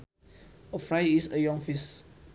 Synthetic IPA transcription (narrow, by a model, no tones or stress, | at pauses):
əfɹajisəjɔ̃ŋfis